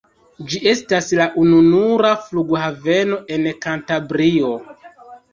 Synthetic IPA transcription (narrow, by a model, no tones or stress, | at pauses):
d͡ʒiʔe̞staslaʔununuɾafluɡhave̞no̞ʔe̞nkantabɾio̞